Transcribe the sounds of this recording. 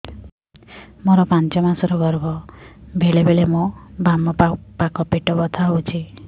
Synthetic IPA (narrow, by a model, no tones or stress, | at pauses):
mɔɾɔpãnt͡ʃɔmasɔɾɔɡɔɾɡɔbʱeɭebeɭemɔ̃bamɔpakɔpeʈɔbɔt̪ʰaɦwt͡ʃʰi